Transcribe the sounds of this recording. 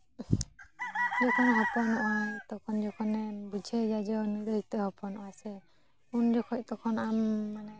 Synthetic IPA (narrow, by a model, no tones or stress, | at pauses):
ɔkʰɔnɦɔpɔnɔʔɔt̪ɔkʰɔnd͡ʒɔkʰɔnɛbud͡ʒʱɛd͡ʒad͡ʒɔnuɾɔhit̪ɛhɔpɔnɔasɛ | und͡ʒɔkʰɔc̚t̪ɔkʰɔnamːanɛ